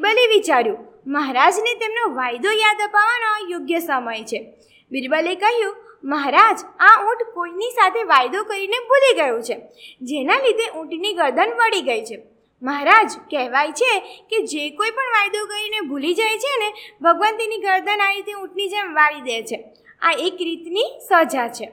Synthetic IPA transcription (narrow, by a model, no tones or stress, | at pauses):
bəliʋit͡ʃaɾjũ | məɦaɾad͡ʒnet̪emnoʋajd̪ojad̪əpaʋanojoɡjəsəməjt͡ʃʰe | bɪɾbəlikəɦjũ | məɦaɾad͡ʒaũʈkoinisat̪ʰeʋajd̪okəɾinebʱuliɡəjõt͡ʃʰed͡ʒenalid̪eʔũʈniɡəɾd̪ʱənʋəɽiɡəjt͡ʃʰe | məɦaɾad͡ʒkɛɦʋajt͡ʃʰeked͡ʒekoipəɳʋajd̪okəɾinebʱulid͡ʒajt͡ʃʰeənebʱəɡʋənt̪iniɡəɾd̪ʱənaɾit̪eũʈnid͡ʒemʋaɭid̪et͡ʃʰe | a̰ekɾit̪nisəd͡ʒat͡ʃʰe